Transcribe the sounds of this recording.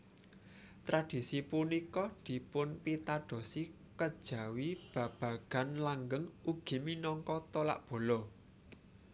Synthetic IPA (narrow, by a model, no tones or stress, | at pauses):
t̪ɾad̪̥i̤sipunikɔd̪̥i̤pʊnpit̪aɖ̥o̤si | kəd̥ʒ̥ä̤wib̥ä̤b̥ä̤ɡ̥a̤nlaŋɡəŋuɡ̥i̤minɔŋkɔt̪ɔla̰ʔb̥o̤lɔ